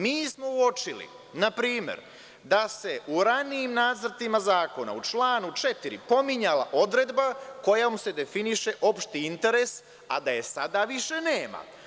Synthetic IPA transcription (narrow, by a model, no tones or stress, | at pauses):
miːsmo̞uo̞t͡ʃilḭ | napɾiːmḛɾ | d̪ase̞ʔuɾaniimnaːd̪zɾt̪imazaːko̞na̰ut͡ʃlˠaːnut͡ʃet̪iɾḭpo̞miɲalaʔo̞d̪ɾe̞d̪bako̞jamuse̞d̪e̞finiʃe̞ʔo̞pʃt̪iint̪e̞ɾe̞s | a̰d̪aje̞sad̪aʋiʃe̞neːma̰